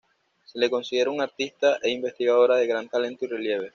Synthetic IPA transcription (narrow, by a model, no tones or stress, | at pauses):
se̞le̞ko̞nsiðe̞ɾauŋaɾt̪ist̪aʔeimbe̞st̪iɣaðo̞ɾaðe̞ɣɾant̪ale̞nt̪uire̞lje̞β̞e̞